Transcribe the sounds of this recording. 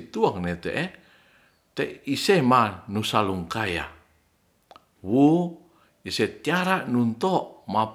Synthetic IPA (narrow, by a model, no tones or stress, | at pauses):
t̪uaŋnet̪eʔe | t̪eisemanusaluŋkaja̰ | wu | iset̪iaɾanunt̪ɔʔma